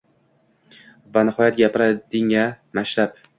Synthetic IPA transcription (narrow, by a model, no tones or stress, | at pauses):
vanɪhɒjat̪̚ɡʲajapʰɪɾad̪ɪŋamaʃlap